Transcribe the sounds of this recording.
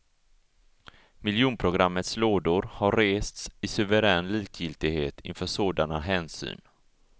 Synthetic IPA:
mɪljuːnpʰɾʊɡɾamːət̪sloːd̪ʊɾhaɾeːst̪sɪsɵvɛɾɛːnliːkʰjɪlt̪ɪɡheːt̪ʰɪ̰nfœːʂoːd̪anaɦɛːnsy̰ːn

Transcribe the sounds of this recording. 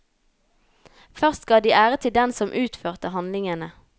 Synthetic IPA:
fœʁst̪ɡ̥ɑːd̪iːʔæːʁət̪ʰɪld̪ɛnsɔmʔʉːt̪føːʁt̪əhɑnlɪŋənə

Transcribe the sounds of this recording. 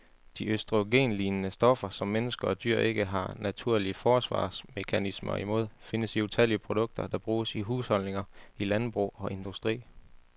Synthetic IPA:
d̥iøsd̥ʁoɡ̥e̝̰ːnliːnənəsd̥ɒ̽fɐsɒ̽mːenəsɡ̥ɐɒ̽d̥y̰ɐ̰e̝ɡ̥əɦɑ̈næt͡sʰuɐ̰liəfɒːsʋɑ̰̈ːsme̝kʰænismɐ̰imo̝ð̰ˠfe̝nəsiut͡sʰæl̰iəpʰʁod̥ɔ̽ɡ̥̚d̥ɐd̥ɑ̈b̥ʁuːsiɦuːshɒ̽lne̝ŋɐilænb̥ʁṵːɒ̽ʔe̝nd̥usd̥ʁḭː

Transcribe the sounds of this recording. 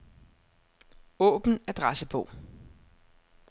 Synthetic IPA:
ɔ̰̽ːb̥n̩æd̥ʁasəpʰɔ̽

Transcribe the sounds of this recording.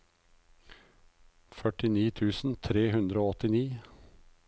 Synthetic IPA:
fœʈɪniːt̪ʰʉːsn̩t̪ʰɾeːhʉnd̪ɾəoːɔt̪ɪniː

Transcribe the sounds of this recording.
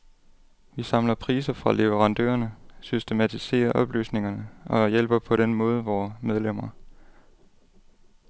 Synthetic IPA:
ʋisɑ̈mlɐpʰʁiːsɐfʁɑ̈le̝ʋəʁɑ̈nd̥ø̰ːɐnəsysd̥e̝mæt͡sʰise̝̰ːɐʔɒ̽b̥ly̰ːsne̝ŋɐnəɒ̽jel̰b̥ɐpʰɒ̽ɾ̥enmɔ̽ːð̞ˠəʋɒːmeð̞ˠlem̰ɐ

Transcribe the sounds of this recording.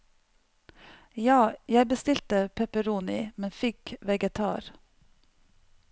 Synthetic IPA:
jɑːjæɪbəst̪ɪlt̪əpʰɛpəɾuːnɪmɛnfɪkʋɛɡət̪ʰɑ̰ːɾ

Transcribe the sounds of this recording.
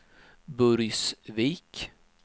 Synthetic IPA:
bɵɾjsviːk

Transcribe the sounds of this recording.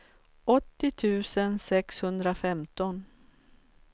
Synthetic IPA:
ɔt̪ːɪt̪ʰʉ̟ːsənsɛkshɵnd̪ɾafɛmt̪ɔn

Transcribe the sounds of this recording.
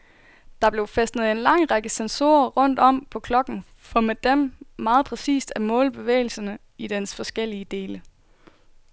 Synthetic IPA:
d̥ɑ̈b̥le̝ʊfesd̥nəð̩ˠe̝nlɑ̈ŋ̰ʁɑ̈ɡ̥əsenso̝̰ːɐʁɔ̽n̰d̥ɒ̽m̰pʰɒ̽kʰlɒ̽ɡ̥n̩ | fɒ̽med̥emmɑ̈ːð̞̩ˠpʰʁɛsḭːsd̥æmɔ̰̽ːlb̥e̝ʋḛːɪl̩sɐnə | id̥ensfɒ̽sɡ̥el̰iəd̥e̝ːlə

